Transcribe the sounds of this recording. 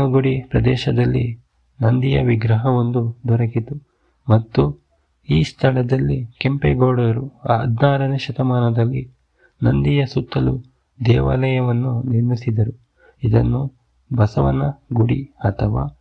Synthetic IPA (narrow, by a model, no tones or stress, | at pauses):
ɐɡuɽipɾɐd̪ɛːʃɐd̪ɐlːi | nɐnd̪ijɐʋiɡɾɐɦɐo̞nd̪ud̪ɔɾɐkit̪u | mɐt̪ːu | iːst̪ʰɐɭɐd̪ɐlːikempeɡoːɽɐɐɾuɐd̪naːɾɐneʃɐt̪ɐmaːnɐd̪ɐlːi | nɐnd̪ijɐsut̪ːɐlu | d̪ɛːʋa̰ːlɐjɐʋɐnːuniɾmisid̪ɐɾu | id̪ɐnːu | bɐsɐʋɐ̰nːɐɡuɽiɐt̪ʰɐʋa̰ː